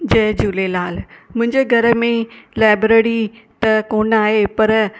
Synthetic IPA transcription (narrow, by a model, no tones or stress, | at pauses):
d͡ʑɐːd͡ʑuːlelaːlmʊ̃ɦɪ̃ɲd͡ʑeɡʱɐɾə̆mẽlaːɪbɾeːɽi | t̪ɐkoːnaːɦepɐɾ